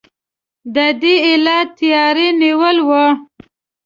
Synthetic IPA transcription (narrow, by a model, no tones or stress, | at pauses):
d̪əd̪iɪlɑt̪ijɑɾeniwəlwə